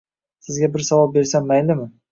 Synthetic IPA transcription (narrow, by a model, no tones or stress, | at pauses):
sɪzɡʲabɪɾsawɒp̚be̞ɾsanːajlɪmɪ